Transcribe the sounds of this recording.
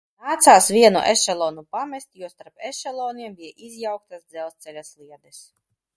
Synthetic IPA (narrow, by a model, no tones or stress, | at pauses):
naːt̪saːsvʲiɛnṵʔɛʃɛlˠɔːnupamɛsʲt̪ʲjuɔst̪aɾpɛʃɛlˠɔːniɛmbijɛʔizjawk̚t̪asd̪zɛlˠst̪sɛlʲaslˠiɛd̪ɛs